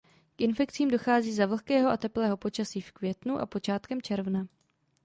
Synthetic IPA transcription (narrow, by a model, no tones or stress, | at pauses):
kʔɪnfɛkt͡siːmdo̞xaːziːzavl̩xkɛːɦoʔat̪ɛplɛːɦo̞po̞t͡ʃasiːfkvjɛt̪nuʔa̰po̞t͡ʃaːt̪kɛmt͡ʃɛɾvna